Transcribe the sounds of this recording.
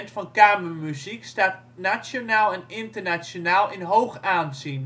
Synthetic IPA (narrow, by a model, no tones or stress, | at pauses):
ntfɑnkaːməɹmyzikstaːt | nat͡ʃonaːlˠɛnɪntəɹnat͡ʃonaːlˠɪnɦowχaːnzin